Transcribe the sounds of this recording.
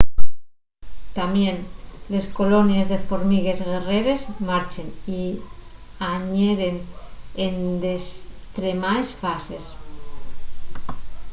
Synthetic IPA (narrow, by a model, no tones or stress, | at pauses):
t̪amjenle̞sko̞lo̞njezðe̞foɾmiɣ̞e̞zɣe̞reɾe̞zmaɾt͡ʃeni | aɲeɾenend̪est̪ɾemaesfase̞s